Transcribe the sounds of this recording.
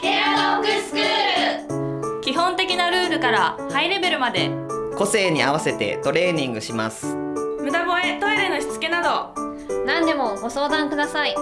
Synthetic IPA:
kead̪okɯ̟sɨ̥kɯːɾɯ | kʲiɦõ̞nt̪e̞kʲinaɾɯ̟ːɾɯ̟kaɾahaiɾe̞be̞ɾɯ̟mad̪e̞ko̞se̞ːɲ̟iaβase̞t̪e̞̰t̪o̞ɾe̞ːɲ̟ĩŋɡɯ̟ɕimasɨ̥mɯ̟d̪abo̞e̞t̪o̞iɾeno̞çi̥t͡sɨ̥ke̞nad̪o̞ | nãnd̪e̞mo̞ɡo̞so̞ːd̪ãŋkɯ̟d̪asai

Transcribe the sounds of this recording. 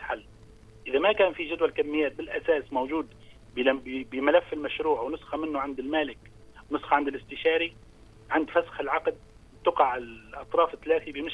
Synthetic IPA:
ħalː | ʔɪðamakaːnfiʒʊd̪walkamːɪjːaːt̪̚bɪlʔasaːsmowʒuːd̪ | bbɪmalafːɪlmaʃɾuːʕwnʊsxamɪnːʊʕand̪ɪlmaːlɪk | wnʊsxɑʕand̪ɪlɪst̪ɪʃɑːɾi | ʕand̪fasxɪlʕɑqd̪̚ | t̪ʊqɑʕɪlʔɑt̪ˤɾˤɑːfɪθːalaːθibɪmɪʃ

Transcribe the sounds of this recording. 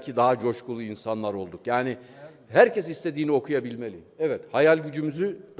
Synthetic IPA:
cʰid̪aɦad͡ʒo̞ʃkulˠuinsanlˠaɾo̞lˠd̪ukjaːnɪ | ɦæɾcʰɛsist̪ʰe̞d̪iːnio̞kʰujabilʲme̞lʲḭɛvɛt̪hajalʲɟyd͡ʒymyzyd̪

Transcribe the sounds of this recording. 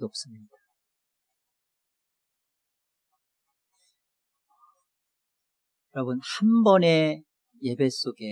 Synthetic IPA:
iʌp̚s͈ɯmɲid̥a | jʌɾʌbunhumbʌne̞ | je̞be̞s͈oɡe̞

